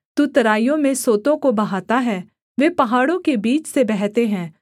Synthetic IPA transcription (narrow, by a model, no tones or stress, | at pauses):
t̪ut̪ɐɾaːijõmẽsoːt̪õkobɐɦaːt̪aɦɛː | ʋeːpɐɦaːɽõkebiːt͡ʃsebɛɦt̪eɦɛ̃ː